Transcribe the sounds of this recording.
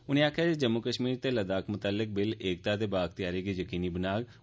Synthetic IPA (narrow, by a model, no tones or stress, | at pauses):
ʊnẽːaːkʰjaːid͡ʒəmːʊkəʃmiːɾt̪eːləd̪aːkmʊt̪aːlːɪk̚bɪleːk̚t̪aːt̪eːbaːɡt̪ɪjaːɾeːɡiːjəkiːniːbənaːɡ